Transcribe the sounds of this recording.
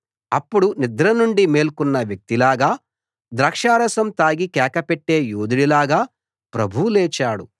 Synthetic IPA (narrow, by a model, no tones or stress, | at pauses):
ɐpːuɽunid̪ɾɐnuɳɖime̞ːlkunːɐʋjɐk̚t̪ilaːɡaː | d̪ɾɐkʂaːɾɐsɐmt̪aːɡikɛːkɐpɛʈːe̞ːjuːd̪iɽilaːɡaː | pɾɐbʱuuleːt͡ʃaːɽu